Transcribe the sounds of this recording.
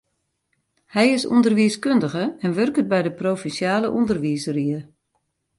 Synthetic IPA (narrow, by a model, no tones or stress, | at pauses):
hɛjɪsṵndərʋiəskøndəɣəɛnʋørkət̚bɛjdəproːfinsjaːləʔundərʋisəriə